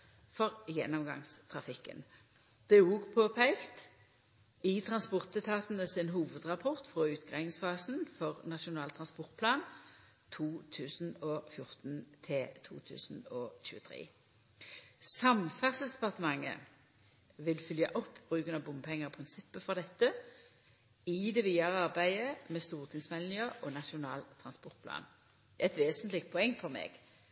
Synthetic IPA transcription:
fɔʁjɛnːɔmɡɑ̰ŋst̪ʰʁɑfɪkːə̰n | d̪̥ɛuːɡpʰoːpʰæɪkt̪ | ɪt̪ʰʁɑnspɔʁt̪ɛt̪ʰɑːt̪nəsɪnɦuːʋəd̪ʁɑpʰɔʁt̪fʁoːʉːt̪ɡɑɪŋsfɑːsnfɔʁnɑʂʊnɑːlt̪ʰʁɑnspɔʁt̪̚pʰlɑːn | t̪ʰuːt̪ʰʉːsn̩ɔːfjʊʁt̪nt̪ʰɪlt̪ʰṵːt̪ʰʉ̰ːsn̩ɔːçʉ̰ːət̪ʰʁḛː | sɑmfæʁsəsd̪ɛpɑʁt̪əmɑŋːə̰ | ʋɪlfʏljəʔɔpːb̥ʁʉːkənɑbʊmpʰɛŋːəʁɔpʰʁɪnsɪpːəfɔʁd̪ɛt̪ːə | ɪd̪ɛʋiːɑʁəɑʁbæɪəmɛst̪uːʁt̪ʰɪŋsmɛlnɪəɔnɑʂʊnɑːlt̪ʰʁɑnspɔʁt̪̚pʰlɑ̰ːn | ɛt̪ʋeːsnt̪lɪk̚t̪̚pʰɔɛŋːfɔʁmḛːɡ̥

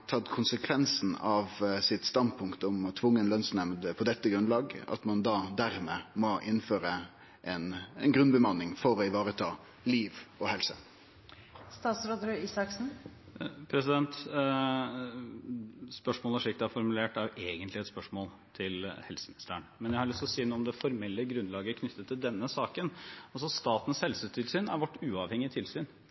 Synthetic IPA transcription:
t̪ʰɑt̪ːkʰʊnsəkʰʋɛnsn̩ɑʋsɪt̪st̪ɑnd̪̚pʰʊŋkt̪əɔmɔt̪ʰʋʊŋːəɛnlœnsnɛmd̪əpʰɔd̪ɛt̪ːəɡɾʉnlɑːɡɑ̰t̪mɑnd̪ɑːd̪æɾmeːmɔʔɪnːføːɾə | ʔɛnɛnɡɾʉnbəmɑnɪŋfɔɾɔɪʋɑːɾət̪ʰɑː | liːʋɔhɛlsə | st̪ɑːt̪sɾoːd̪ɾʉiːsɑksn̩ | pʰɾɛsɪd̪ɛnt̪ | spœʂmoːlæʂɪk̚t̪æfɔɾmʉleːʈæɾjʊʔeːɡənt̪lɪɛt̪spœʂmoːl | t̪ʰɪlhɛlsəmɪnɪst̪əɳmɛnjæɪhɑɾɭʏst̪ɔsiːənuːmd̪ɛfɔɾmɛlːəɡɾʉnlɑːɡəkʰnʏt̪ʰːət̪ʰːɪld̪ɛnːəsɑːkənɔsɔst̪ɑːt̪n̩shɛlsʉːt̪ɪlsyːnæ̰ɾʋɔʈːʉːɑʋhɛŋɪət̪ʰɪlsyːn

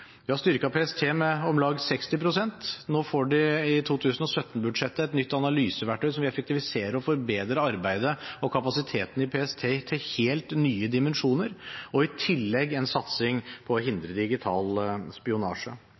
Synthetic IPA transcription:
ʋɪhɑst̪ʏɾkɑpʰeːɛst̪ʰeːmɛɔmlɑːɡsɛkst̪ɪpɾʊsɛnt̪noːfoːɖɪɪt̪ʰuːt̪ʰʉːsənɔsœt̪ːn̩bʉd̪ʂɛt̪ːəɛt̪nʏt̪ːɑnɑlyːsəʋæʈʰːœʏsɔmʋɪɛfɛkt̪ɪʋɪseːɾəɾɔfɔɾbeːd̪ɾəɑɾbæɪd̪əɔkʰɑpɑsɪt̪ʰeːt̪ən̩ɪpʰeːɛst̪ʰeːt̪ʰɪlheːlt̪nyːəd̪ɪmɛnʂuːnəɾɔɪt̪ʰɪlːɛɡːɛnsɑt̪sɪŋpʰɔːɦɪnd̪ɾəd̪ɪɡɪt̪ʰɑːlspɪʊnɑ̰ːʂə

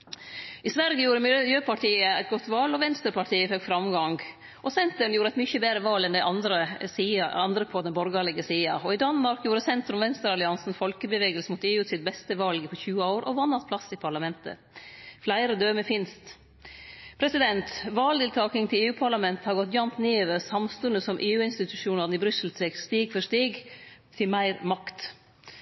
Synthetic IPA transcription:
ʔɪsʋæɾɡəjuːɾəmɪjøːpʰɑʈʰiːəæɪt̪ɡɔt̪ːʋɑlɔʋɛnst̪əɾpɑʈʰiːəføkfɾɑmɡɑŋɡ | ʔɔsɛnt̪əɳjuːɾəɛɪt̪mʏçəbeːɾəʋɑːlɛnd̪æɪʔɑnd̪ɾəsiːɑɑnd̪ɾəpʰoːd̪nəbɔɾɡɑlɪɡəsiːɑɔɪd̪ɑnmɑɾkjuːɾəsɛnt̪ɾʉmʋɛnst̪əɾɑlɪɑnsnfɔlkəbəʋeːɡəlsəmuːt̪eːʉːt̪sɪt̪̚bɛst̪əʋɑlɡpʰɔçʉːəaʊɾʔɔ̰ʋɑnːɑt̪̚pʰlɑsɪpʰɑɭɑmɛnt̪ə̰ | flæɪɾəd̪øːməfɪnst̪ | pʰɾɛsɪd̪ɛnt̪ʋɑːld̪ɪːlt̪ʰɑːk̪ɪŋt̪ʰɪleːʉːpʰɑɭɑmɛnt̪əhɑɾɡɔt̪jɑnt̪neːøʋəɾsɑmst̪ʉnd̪əsɔmʔeːʉːɪnst̪ɪt̪ʉʂuːnɑɾnɪbɾʏsəl̩sɛkst̪iːɡfɔʂt̪iːɡt̪ʰɪmæɪɾmɑkt̪

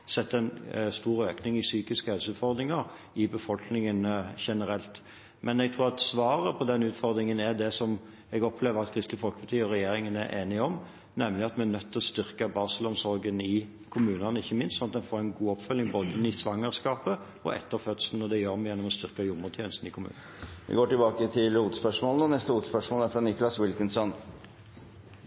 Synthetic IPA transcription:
sɛt̪ːəɛnst̪uːɾøːknɪŋɪsyːkɪskəhɛlsʉːt̪fɔʁd̪ɾɪŋɑɾ | ɪbəfɔlknɪŋənʃɛnəɾɛlt̪ | mʔɛnɛɡt̪ʰɾuːʁɑt̪sʋɑːɾəpʰɔd̪ɛnʉːt̪fɔʁd̪ɾɪŋənæd̪ɛsɔm | ɛɡɔpʰleːʋəɾɑt̪̚kʰɾɪst̪ləfɔlkəbt̪ʰiːɔɾɛjeːɾɪŋənæ̰ɾʔeːnɪɔm | nɛmlɪɑt̪mɛænœt̪ʰːlɔst̪ʏʁkəbɑʁsəlɔnsɔɾɡənɪ | kʰʊmʉːnənəɪçːəmɪnssɔnɑt̪̚d̪ɛnfoːʁɛɪnɡuːɔpfʉlːɪŋboːd̪ənisʋɑŋːəʁskɑːpə | ɔ̰ʔɛ̰t̪ːəɾfœt̪sln̩ɔd̪ɛjøːɾmɛjɛnːɔmɔst̪ʏʁkɑjʊmət̪ʰjeːnəst̪n̩ɪkʰʊmʉ̰ːnɑnʋʔɪ̰ɡoːʈɪlbɑːkət̪ʰɪluːt̪spœʂmoːlnɔnɛst̪əuːt̪spœʂmoːlæɾfɾɑnɪkʊlɑswɪlkənsɔn

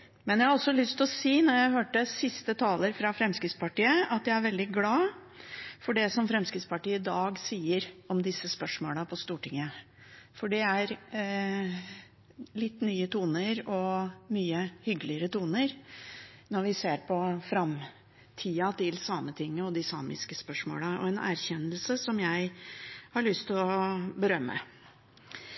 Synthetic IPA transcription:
mɛnjæhɑɾɔsːɔlʏst̪ɔsiːnɔɾjæɪhøːʈəsɪst̪ət̪ʰɑːləɾfɾɑfɾɛmskɾɪt̪spɑʈiːəɑt̪̚j̪æɪæɾʋɛld̪ɪɡlɑː | fɔɖɛsɔmfɾɛmskɾɪt̪spɑʈiːəɪd̪ɑːɡsiːəɾɔmd̪ɪsːəspœʂmo̰ːləpʰɔst̪uːʈɪŋːə | fɔɖɛæɾ | lɪt̪ːnyːət̪ʰuːnəɾɔmyːəhʏɡlɪəɾət̪uːnəɾ | nɔɾʋɪseːɾpʰɔfɾɑm | t̪ʰiːɑt̪ʰɪlsɑːmət̪ʰɪŋːəɔd̪ɪsɑ̰ːmɪ̰skəspœʂmo̰ːləɔ̰ɛnæ̰ɾçɛnːəlsəsɔmjæɪhɑɭʏst̪ʰɪlɔbəɾœmːə̰

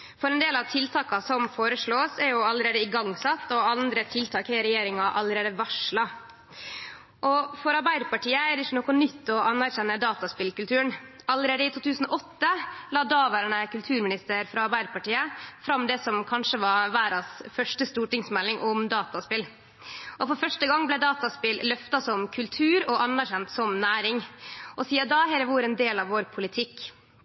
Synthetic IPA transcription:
fɔɾɛnd̪eːlɑʋt̪ʰɪlt̪ʰɑːkɑsɔmfoːɾəʂɭoːsɛɾjʊɑləɾeːd̪əɪɡɑŋsɑt̪ːɔɑnd̪ɾət̪ʰɪlt̪ʰɑːkɪɾɛjeːɾɪŋɑʔɑləɾeːd̪əʋɑʂɭɑ | ʔɔfɔɾɑɾbæɪd̪əpɑʈiːəɛɾd̪ɪçːənɔkːʊnʏt̪ːɔɑnːæɾçɛnːəd̪ɑːt̪ɑspɪlkʉlt̪ʰʉːəɳ | ɑləɾeːd̪əɪt̪ʰuːt̪ʰʉːsn̩ɔʔɔt̪ːəlɑːd̪ɑːʋæːɾəɳəkʉlt̪ʰʉːɾmɪnɪst̪əɾfɾɑɑɾbæɪd̪əpɑʈiːəfɾɑmd̪ɛsɔmkʰɑnʂəʋɑʋæːɾɑsfœʂʈəst̪uːʈɪŋsmɛlːɪŋʔɔmd̪ɑːt̪ɑspɪl | ʔɔfɔɾfœʂʈəɡɑŋːblɛd̪ɑːt̪ɑspɪllœft̪ɑsɔmkʰʉlt̪ʰʉːɾɔʔɑnːæɾçɛnt̪sɔmnæːɾɪŋʔɔsiːɑd̪ɑɦɛɾəʋʊɾɛnd̪eːlɑʋoːɾpʰʊlɪt̪ʰɪkː

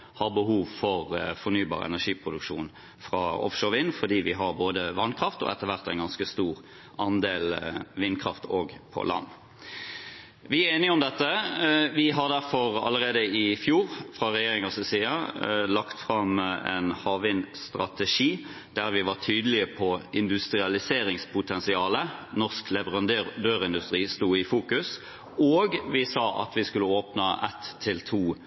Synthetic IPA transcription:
hɑɾbəɦuːʋfɔʁfɔɾnyːbɑ̰ːʁɛ̰næʂiːpʰɾʊd̪ʉkʂṵːn | fʁɑ̰ɔ̰fʃoːɾʋɪːnfɔd̪iːʋɪɦɑɾboːd̪əʋɑnkʰʁɑft̪ɔ̰ʔɛt̪ːəʋæʁt̪æɪnɡɑnskəst̪uːʁ | ɑnd̪eːlʋɪnkʰʁɑft̪ʰoːɡpʰɔ̰lɑ̰nː | ʋɪæeːnɪəɔmd̪ɛt̪ːəʋɪɦɑʁd̪æɾfɔʁɑ̰lːəʁeːd̪əɪfjuːɾfʁɑʁɛjeːʁɪŋɑssiːɑlɑkt̪fʁɑmɛ̰nhɑːʋɪnst̪ʁɑ̰t̪ɛʂiː | d̪̥æʁʋɪʋɑʁʈ̪ʰyːd̪əlɪəpʰɔɪnd̪ʉst̪ʁɪɑlɪseːɾɪŋspʰʊt̪ʰɛnsɪɑːlənɔsklɛʋəʁɑnd̪øʁd̪øːʁɪnd̪ʉst̪ʁiːst̪uːɪfuːkʉs | oːɡʋɪsɑːʔɑ̰t̪ʰʋɪskʉlːəoːpnɑʔɛ̰t̪ʰːɪlt̪ʰuː

